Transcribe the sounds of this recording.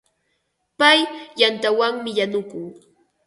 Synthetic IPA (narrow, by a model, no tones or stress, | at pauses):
pajjant̪awaŋmɪjanʊkʊŋ